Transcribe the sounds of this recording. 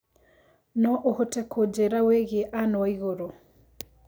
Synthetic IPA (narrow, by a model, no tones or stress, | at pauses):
nɔʔohotɛkʰod͡ʒɛɾaweɣeʔanɔaiɣoɾo